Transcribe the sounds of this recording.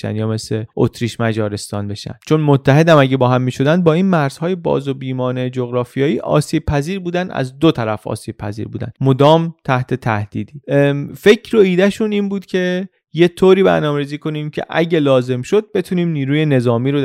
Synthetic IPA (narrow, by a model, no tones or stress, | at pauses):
ʃæ̰nd̪jɒːme̞sleʔo̰t̪ʰɾiːʃmæd͡ʒɒːɾe̞st̪ɒ̰ːnbe̞ʃæ̰nd̪̥t͡ʃʰo̞nmot̪ʰːæɦe̞d̪æmæɟebɒːɦæmːiːʃo̞d̪ænd̪bɒːiːnmæɾz̥hɒːje̞bɒ̰ːzobiːmɒːne̞d͡ʒoɣɾɒːfijɒːiːʔɒ̰ːsiːb̥̚pʰæziːɾbuːd̪ænd̪æ̰zd̪ot̪ʰæɾæfʔɒ̰ːsiːb̥̚pʰæ̰zḭːɾbuːd̪æ̰nmod̪ɒːmt̪ʰæht̪ʰe̞t̪ʰæ̰hd̪̥iːd̪iːfe̞cʰɾo̞iːd̪æʃuniːnbuːd̪̥cʲʰe̞ | je̞t̪ʰoːɾiːbæ̰ɾnɒːmeɾiːziːko̞niːmcʰe̞̰ʔæɟelɒːze̞mʃo̞d̪̚be̞t̪ʰuniːmniːɾuːje̞ne̞zɒːmiːɾo